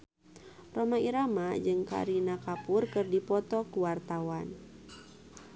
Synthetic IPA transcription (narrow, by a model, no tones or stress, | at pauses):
romaiɾamad͡ʒɨŋka̰ɾinakapʊrkɨrdipɔt̪ɔkuwart̪awan